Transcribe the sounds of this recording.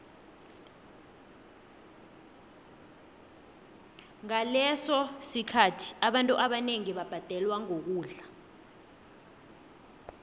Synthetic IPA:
ŋalɛsɔsikʰatʰi̥aɓantʼuʔaɓaneŋiɓab̥ʱad̥ʱɛlwaŋok̬uːɮa

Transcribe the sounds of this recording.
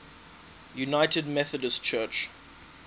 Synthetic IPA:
junaɪtədmɛθədəst͡ʃʰɜt͡ʃ

